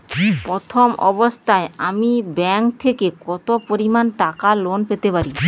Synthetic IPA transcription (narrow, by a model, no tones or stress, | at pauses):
pɾot̪ʰomɔ̰bost̪ʰaeamibɛŋkt̪ʰekekɔt̪opoɾimanʈakalonpet̪epaɾi